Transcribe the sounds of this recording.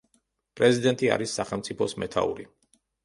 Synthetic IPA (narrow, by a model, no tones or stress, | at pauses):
pʼɾɛzid̪ɛnt̪ʼia̰ɾisːaχɛlˠmt̪sʼipʰɔsmɛt̪ʰa̰ṵɾi